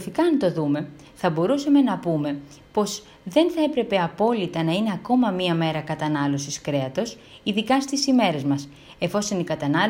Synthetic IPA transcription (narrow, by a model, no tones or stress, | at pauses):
fikɐnt̪o̞ðume̞ | θɐbo̞ɾusɐme̞nɐpume̞ | po̞z | ðe̞nθɐe̞pɾe̞pe̞ɐpo̞lit̪ɐnɐine̞ɐko̞mɐmiɐme̞ɾɐkɐt̪ɐnɐlo̞siskɾe̞ɐt̪o̞s | iðikɐst̪isime̞ɾe̞zmɐs | e̞fo̞so̞nikɐt̪ɐnɐl